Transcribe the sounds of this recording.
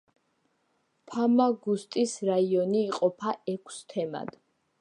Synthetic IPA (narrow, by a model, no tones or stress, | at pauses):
pʰamaɡust̪ʼisɾaiɔniːqʼɔpʰaɛkʷʰst̪ʰɛma̰d̪̥